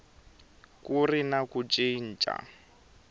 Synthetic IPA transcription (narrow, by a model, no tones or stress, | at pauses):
kurinakut͡ʃʼin̩t͡ʃʼa̰